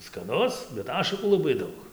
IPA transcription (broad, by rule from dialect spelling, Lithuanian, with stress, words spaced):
skɐˈnʊs bʲɛt ˈɑːʃɐkuː lˠɐˈbɐɪ ˈdɐʊk